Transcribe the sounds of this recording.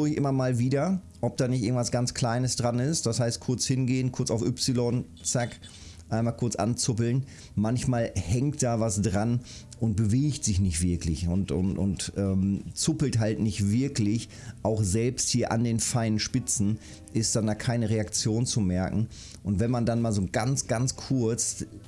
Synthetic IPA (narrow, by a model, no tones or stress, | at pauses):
oɪçʔɪmɐmaːlviːdɐ | ʔɔp̚d̥aːnɪçtʔɪɐɡŋ̩tv̥asɡ̥ant͡skʰl̥aɪnəsd̥ʁanɪstd̥ashaɪst̚kʰʊɐt͡shɪnɡeːənkʰʊɐt͡saʊfʔʏpsɪlɔn | t͡sak | ʔaɪnmaːlkʰʊɐt͡sʔa̰nt͡sʊp̬l̩n | mançmaːlhɛŋkt̚d̥aːvasd̥ʁan | ʔʊnt̚b̥əveːçtz̥ɪçnɪçtv̥ɪɐklɪçʊntʊ̰nʊ̰ntʔɛːmt͡sʊpl̩tɦaltnɪçtv̥ɪɐklɪç | ʔaʊxzɛlpsthiːɐʔa̰ndeːnfaɪnənʃpɪt͡sn̩ | ʔɪst̚d̥andaːkʰaɪnəʁeakt͡sjoːnt͡sumɛɐkŋ̩ | ʔʊntv̥ɛnmandanmaːlzoːɡant͡sɡ̥ant͡skʰʊɐt͡s